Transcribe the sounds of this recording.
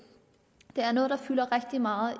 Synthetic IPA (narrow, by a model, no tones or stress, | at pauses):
d̥e̝æɐnɔ̽ːð̞̩ˠd̥ɑ̈fyːlɐʁɛɡ̥̚d̥imɑ̈ːð̩ˠ